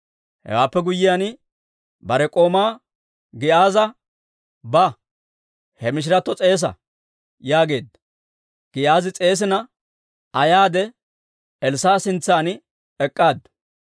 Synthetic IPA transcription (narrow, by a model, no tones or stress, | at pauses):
hɛ̰waːpːɛɡʊjːɪjan | bɐɾɛkʼo̞ːmaː | ɡɪʔaːzɐ | bɐ | hɛmɪʃ̬ɪɾɐt̪ːɔt͡sʼe̞ːs̬ɐ̰ | jaːɡe̞ːd̪ɐ | ɡ̥ɪʔaːzɪt͡sʼe̞ːs̬ɪnɐ | ɐjaːd̪ɛ | ɛlsaːsɪnt͡sːaːn | ɛkʼːaːd̪ɐ